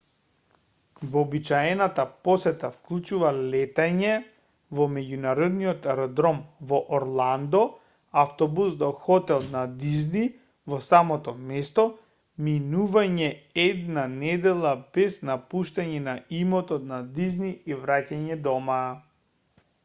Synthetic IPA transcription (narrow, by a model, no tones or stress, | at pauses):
vɔbit͡ʃaɛnat̪apɔsɛt̪afklˠut͡ʃuvalɛt̪aɲɛ | vɔmɛɟunaɾɔd̪niɔt̪aɾɔd̪ɾɔmvɔʔɔɾlˠand̪ɔ | aft̪ɔbusd̪ɔxɔt̪ɛlˠnad̪izni | vɔsamɔt̪ɔmɛst̪ɔ | minuvaɲɛɛd̪nanɛd̪ɛlˠabɛsnapuʃt̪aɲɛnaimɔt̪ɔt̪nad̪izniivɾacaɲɛd̪ɔma